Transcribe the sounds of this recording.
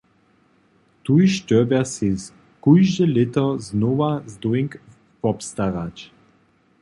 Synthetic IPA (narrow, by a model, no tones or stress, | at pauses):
t̪ujʃtøbasis | kujʒdəlɪt̪əznovazd̪uɪŋk | vɔpst̪aʁat͡ʃ